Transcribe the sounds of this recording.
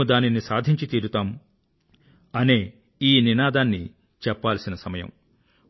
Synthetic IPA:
ud̪aːninisaːd̪ʱiɲt͡ʃit̪iːɾut̪aːm | ɐneː | iːninaːd̪aːnːi | t͡ʃɛpːaːlsinɐsɐmɐjɐ̰m

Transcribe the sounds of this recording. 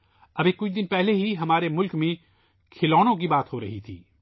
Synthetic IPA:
ɐbekʊt͡ʃʰd̪ɪnpɛɦleɦiɦɐmaːɾemʊlkmẽ | kʰɪlɔːñõk̬ibaːt̪ɦoɾɐ̰ɦit̪ʰḭː

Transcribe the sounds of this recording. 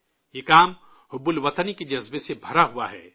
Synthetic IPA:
jekaːm | ɦʊbʊlʋɐt̪əniked͡ʒɐzbesebʱɐɾaɦuaɦɛ̰ː

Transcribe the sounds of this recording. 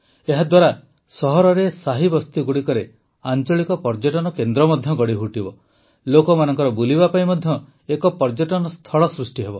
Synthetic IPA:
eɦad̪waɾa | sɔɦɔɾɔɾesaɦibɔst̪uɡuɽikɔɾe | ant͡ʃɔɭikɔpɔɾd͡ʒɔʈɔnɔkend̪ɾɔmɔd̪ʱjɔɡɔɽiɦuʈibɔ | lokɔmanɔŋkɔɾɔbulibapaĩmɔd̪ʱjɔ | ekɔpɔɾd͡ʒɔʈɔnɔst̪ʰɔɭɔsɾusʈiɦebɔ

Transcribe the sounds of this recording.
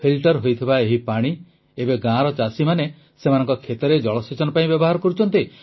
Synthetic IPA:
pʰilʈɔɾɦojt̪ʰibaeɦipaɽ̃i | ebeɡãɾɔt͡ʃasimane | semanɔ̃ŋkɔkʰet̪ɔɾed͡ʒɔɭɔsit͡ʃɔnɔpaĩbjɔbɔɦaɾɔkɔɾut͡ʃʰɔnt̪i

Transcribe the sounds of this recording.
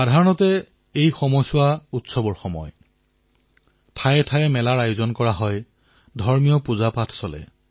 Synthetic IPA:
adʱaɹɔnɔtɛ | ejxɔmɔjsʊwautsɔbɔɹxɔmɔ̰j | tʰajɛtʰajɛmɛlaɹajuzɔnkɔɹaɦɔj | dʱɔɹmijɔpuzapatʰsɔlɛ̰

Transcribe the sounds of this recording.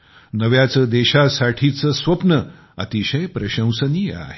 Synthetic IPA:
nəʋjat͡səd̪eɕasaʈʰit͡səsʋəpnə | ə̰t̪iɕəjpɾəɕə̃w̃sənia̰ɦe

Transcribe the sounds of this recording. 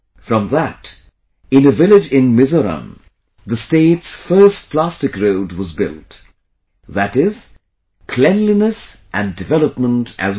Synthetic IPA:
fɹʌ̃mðət | ɪ̃nɨvɪlɪd͡ʒɪ̃nmɪzəɾə̰̃n | ðəsteɪtsfɜ˞st̚pʰl̥æstɨkɹoʊdwʌzbɪ̰lˠt | ðɨɾɪz̥ | kʰl̥ɛ̃nlinəsʔɨ̃ndɨvɛləpmə̃ntʰʔɨ̰z

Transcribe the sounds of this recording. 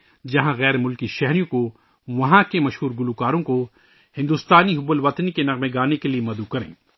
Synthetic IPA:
d͡ʒɐɦãɣɛːɾmʊlkiʃɛɦɾijõko | ʋɐɦãkemɐʃɦuːɾɡʊlukaːɾõko | hɪ̃nd̪uːst̪aːniɦʊbəlʋɐt̪nikenɐɣmeɡaːnekeliemɐd̪ukɐɾḛ̃ː

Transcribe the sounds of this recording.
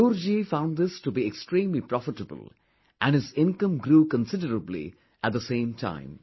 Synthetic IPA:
uːɾd͡ʒifãʊ̃ndd̪ɪstubiekstɾĩːmlipɾɔfɪʈəbə̰lˠ | ʔæ̃nɖɪzɪ̃nkə̃mɡɾuːkə̃nsɪdəɾəblḭ | ʔæt̪̚d̪əsẽːmtʰã̰ɪ̃m

